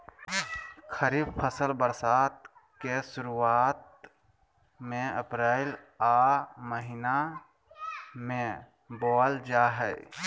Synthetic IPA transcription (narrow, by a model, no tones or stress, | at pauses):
xʰəɾiːbpʰəsəlbəɾsaːt̪̚kesʊɾuaːt̪̚ | mẽəpɾeɛɪl | aːməɦɪna | mẽ | bɔːld͡ʒaːɦɛ